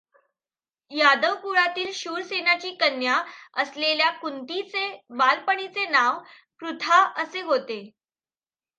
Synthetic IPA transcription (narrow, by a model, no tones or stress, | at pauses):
jad̪əʋpuɭat̪iːlɕuːɾsenat͡ɕiːkənjaəsleljakunt̪it͡sebalpəɳit͡senaʋ | kɾut̪ʰaəseɦot̪e